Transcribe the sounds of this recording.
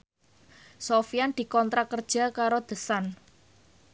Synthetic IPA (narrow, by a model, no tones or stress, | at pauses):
sofijand̪̥i̤kɔnt̪ɾakərd̥ʒ̥a̤kaɾod̪̥ə̤san